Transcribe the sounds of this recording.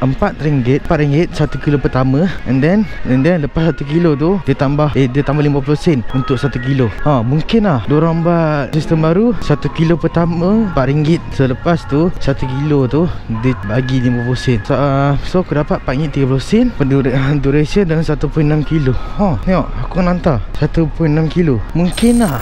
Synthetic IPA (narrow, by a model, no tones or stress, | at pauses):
əmpat̪̚ɾiŋɡɪt̪̚paʔ̪̚ɾiŋɡɪt̪̚sat̪ukilopərt̪amə̃əndɛnɛndɛnləpasːat̪ukilot̪̬udət̪ambahedət̪ambalimaplosɛnunt̪ʊʔsat̪uk̬iloãmuŋkɪnlahdoɾambat̪̚sist̪əmbaɾusat̪ukilopərt̪amə̃paʔɾiŋɡɪt̪̚sələpast̪usat̪ukilot̪udəbaɡilimbaplosɛnssokudapat̪̚paʔiŋit̪ːiɡaplosɛnpəuduɾesiəndansat̪upʊjnamkiloɔnɔʔakunant̪asat̪upʊjnamkilomuŋkɪnlah